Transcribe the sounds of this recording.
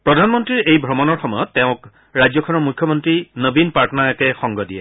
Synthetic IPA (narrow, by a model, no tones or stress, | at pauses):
pɹɔdʱanmɔntɹiɹejbʱɹɔmɔnɔɹxɔmɔjɔtːɛʊ̃k | ɹajd͡ʑzɔkʰɔnɔɹmujkʰːjɔmɔntɹinəbinpaɹtɔnaɛkɛxɔŋɡɔdijɛ̰